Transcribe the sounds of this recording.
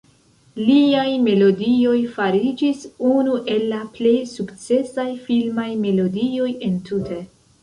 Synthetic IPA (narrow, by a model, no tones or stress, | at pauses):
liajme̞lo̞dio̞jfaɾid͡ʒisunuʔe̞lːaple̞jsukt͡se̞sajfilmajme̞lo̞dio̞je̞ntutʰe̞